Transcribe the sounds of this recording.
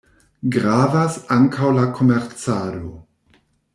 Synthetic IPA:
ɡʁaːvasaŋkʰawlakʰomɛʁt͡saːdo

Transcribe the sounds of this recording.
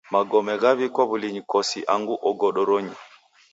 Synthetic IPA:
maɡɔmɛɣaβikɔβuliɲikɔsiʔaŋɡuʔɔɡɔɗɔɾoɲi

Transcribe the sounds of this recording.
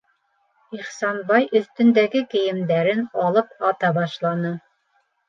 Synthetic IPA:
iχsɑnbɑjʔɵ̆θt̪ɵ̆nd̪æɡɘkɘ̆jɘ̆md̪æɾɘnɑlˠɤp̚ɑt̪ɑbɑʃlˠɑnɤ

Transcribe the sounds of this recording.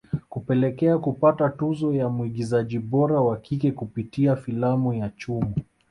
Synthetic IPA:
kupɛlɛkɛakupatatuzɔjamuiɠizaʄiɓɔɾawakʰikɛkupitiafilamujat͡ʃumu

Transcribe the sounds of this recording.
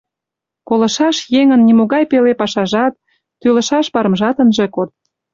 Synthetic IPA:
kolɤ̆ʃɑʃjeŋənːimoɣɑjpelepɑʃɑʒɑt̪̚ː | ylə̆ʃɑʃpɑɾəmʒɑt̪ənʒĕkot̪̚

